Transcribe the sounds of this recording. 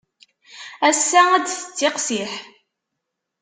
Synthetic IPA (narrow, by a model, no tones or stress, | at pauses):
æsːææd̪θə̥t͡sːɪqsiħ